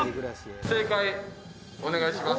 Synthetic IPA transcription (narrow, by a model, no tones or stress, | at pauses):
se̞ːkai | one̞ɡaiɕimas